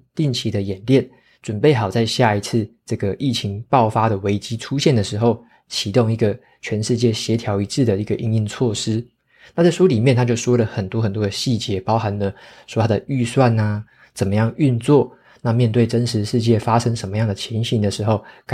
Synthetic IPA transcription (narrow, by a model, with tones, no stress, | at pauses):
t̪i˥˩ŋt͡ɕʰi˧˥d̪ə˧jɛ˨˩nljɛ˥˩n | ʈ͡ʂwə˨˩npe˥˩ɪxɑ˨˩ʊt͡sa˥˧ɪɕja˥˩i˧˥t͡s̩ʰ˥˧ʈ͡ʂɤ˥˩ɡə˩ʔi˥˩t͡ɕʰi˧˥˦ŋpɑ˥˨ʊfa˥ɾə˨we˧˥ɪt͡ɕi˥ʈ͡ʂʰu˥ɕjɛ˥˩nd̪ə˩ʂɻ̩˧˥xo˥˩ʊ | t͡ɕʰi˨˧˦t̪o˥˧ŋi˧˥˩ɡə˨ | t͡ɕʰɥɛ˧˥nʂɻ̩˥˧t͡ɕjɛ˥˩ɕjɛ˧˥t̪ʰjɑ˧˥ʊi˧˥t͡s̩ʰ˥˩d̪ə˩i˧˥ɡə˨ʔi˥ŋi˥˧ŋt͡sʰwɔ˥˩ʂɻ̩˥ | na˥˧t͡sa˥˩ɪʂu˥li˨˩mjɛ˥˨nt̪ʰa˥t͡ɕjo˥˩ʊʂwɔ˥lə˨xə˨˩nt̪wɔ˥xə˨˩nt̪wɔ˥d̪ə˨ɕi˥˩t͡ɕjɛ˧˥pɑ˥ʊxa˧˥nlə˧ʂwɔ˥t̪ʰa˥d̪ə˨y˥˧swa˥˩na˩ | t͡sə˨˩nmə˦jɑ˥˧ŋy˥˧nt͡swɔ˥˨ | na˥˧mjɛ˥˧nt̪we˥˩ɪʈ͡ʂə˦nʂɻ̩˧˥ʂɻ̩˥˧t͡ɕjɛ˥˩fa˦ʂə˥ŋʂə˧˥nmə˦jɑ˥˩ŋd̪ə˩t͡ɕʰjɛ˧˥nɕi˧˥nd̪ə˨ʂɻ̩˧˥xo˥˩ʊka˨